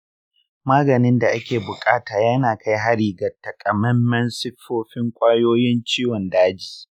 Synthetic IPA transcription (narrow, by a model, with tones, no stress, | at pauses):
maː˦ɡɐ˨nɪ˦nda˨ʔa˦kʲeː˨bʊ˨kʼaː˦taː˨jɐː˦naː˨kʰa˦jɦa˦ɾiː˨ɡɐ˨tːɐ˨kʼɐ˨mɐ˦mːɛ˦nsɪ˦ɸoː˦ɸɪ˦ŋkʷʼaː˦joː˦jɪ˦nt͡ʃiː˦wɔ˨ndaː˦d͡ʒiː˨